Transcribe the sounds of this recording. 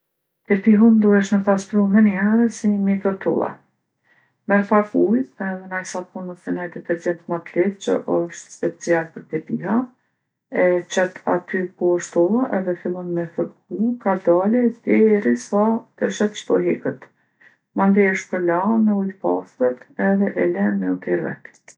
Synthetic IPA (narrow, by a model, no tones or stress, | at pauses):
t̪ɛpiɦund̪uhɛʃməp̪aspɾuɦəniɦɛɾəsimɛkəɾt̪ṵlˠa̰ | mɛɾpakujɛvɛnajsapunɔsɛnajt̪ɛpɛɾzɛnt̪mat̪liθt͡ʃə̰ʔəʃt̪spɛt͡sialpəɾt̪ɛpiɦa | ɛt͡ʃɛt̪ʰa̰t̪ykuəʃt̪ɔlˠaʔɛðɛfilˠɔnmɛfəɾkukad̪alɛd̪ɛɾisat̪əʃat͡ʃt̪ɔɦɛkət̪ | mand̪ɛəʃpəɾlamɛujpa̰sət̪ɛðɛʔɛlɛmɛut̪iɾvɛ̰t̪